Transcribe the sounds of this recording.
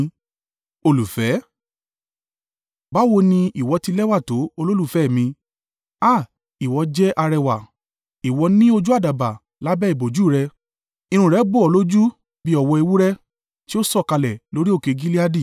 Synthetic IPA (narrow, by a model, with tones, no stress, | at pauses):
o˧lu˨fɛ˨˦ | ba˨˦wo˧nĩ˧ʔi˨wɔ˨˧ti˧lɛ˦wa˦˨to˨˦o˧lo˦lu˦˨fɛ˨˦˨mĩ˧ | a˦˨ | i˨wɔ˨˧d͡ʒɛ˦ʔa˧ɾɛ˧wa˨ | i˨wɔ˨˧˦nĩ˦o˧d͡ʒu˦a˦˨da˨ba˨ | la˨˦bɛ˦i˦˨bo˨d͡ʒu˨˦˨ɾɛ˧ | ĩ˧ɾ̃ũ˧˨ɾɛ˨˦ɡ͡bo˦˨ɔ˨˧lo˦d͡ʒu˦ | bi˦ɔ˧wɔ˧e˧wu˦ɾɛ˦ | ti˦o˦sɔ˦˨ka˧lɛ˨lo˨˦ɾi˦o˦˨ke˧ɡi˦li˦a˦di˦˨